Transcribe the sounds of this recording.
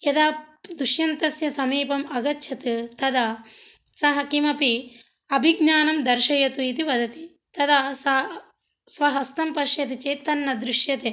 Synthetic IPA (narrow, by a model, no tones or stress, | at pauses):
jɐd̪aːd̪uʃjɐnt̪ɐsjɐsɐmiːpɐmɐɡɐtːʃʰɐt̪ɨt̪ɐd̪asɐɦɐkimɐpi | ɐbʱiɡnaːnɐmd̪ɐɾʃɐjɐt̪uit̪iʋɐd̪ɐt̪i̥ | t̪ɐd̪aːsɐ | sʋɐɦɐst̪ɐmpɐɾʃjɐt̪it͡ʃeːt̪ːɐnːɐd̪ɾiʃjɐt̪e